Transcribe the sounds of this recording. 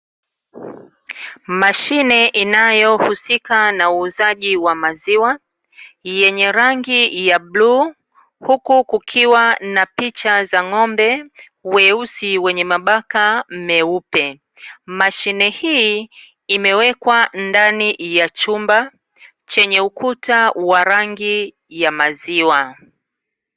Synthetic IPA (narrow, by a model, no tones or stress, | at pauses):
maʃinɛʔinajɔhusikanauːzaʄiwamaziwa | jɛɲɛɾaŋɡijaɓluː | hukukukʰiwanapit͡ʃazaŋɔmbɛ | wɛusiwɛɲɛmaɓakam̩mɛupɛ | maʃinɛhi | imɛwɛkwandanijat͡ʃumba | t͡ʃɛɲɛukʰutawaɾaŋɡi | jamaziwa